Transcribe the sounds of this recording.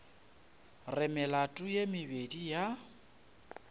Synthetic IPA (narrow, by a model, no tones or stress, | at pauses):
rɪmɪlatʼʊjemɪbedija